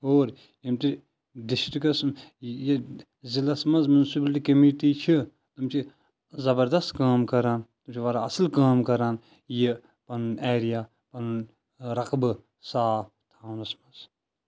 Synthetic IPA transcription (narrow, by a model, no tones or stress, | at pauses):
oːɾ | jimt̪iɾ | d̪iʃt̪ikɐsmje | zilɐsmɐzmunsibɐlʈikɐmiʈiːt͡ʃʰi | t̪umt͡ʃʰi | zɐbɐɾd̪ɐst̪kaːmkɐɾaːnt̪umt͡ʃʰiʋɐɾaɐsɨlkaːmkɐɾaːn | je | pɐnneːɾijaː | pɐnɨn | ɾɐqbɨ | saːf | t̪ʰaːnɐsmɐz